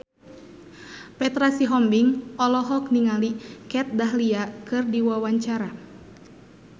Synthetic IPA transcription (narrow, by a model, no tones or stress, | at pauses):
pɛt̪ɾasiɦɔmbiŋɔlɔɦɔk̚niŋalikɛt̪̚daɦliakɨrdiwawaɲt͡ʃaɾa